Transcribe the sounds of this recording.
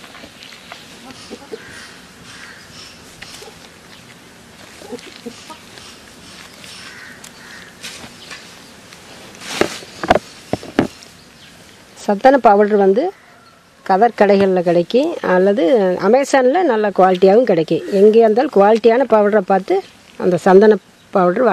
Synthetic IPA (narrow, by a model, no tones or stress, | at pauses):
sɐnd̪ɐnɐpːaːʋɐʈɾʋɐnd̪ɯ | kɐðɐɾkɐɽɐɪɣɐɭɪlɐkɪɽɐɪkːɯ̃ɐlːɐðɯʔɐ̰mɐɪsaːnɪlɐnɐlːɐkʊʋaːlɪʈːɪjaːʋɯmkɪɽɐɪkːɯ̃ɛŋɡeːɐnd̪aːlkʊʋaːlɪʈːɪjaːnɐpaːʋɐʈɾɐpːaːɾt̪ɯ | ɐ̰nd̪ɐsɐnd̪ɐnɐ | pːaːʋɐʈɾʋː